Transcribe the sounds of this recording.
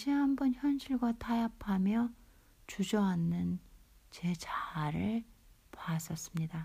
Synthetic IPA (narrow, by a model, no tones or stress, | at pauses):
ɕʰiɦambʌnçjʌnɕʰiɭɡwatʰajapʰamjʌ | t͡ɕud͡ʑʌanːɯnt͡ɕe̞t͡ɕaɾɯɭpas͈ʌs͈ɯmɲida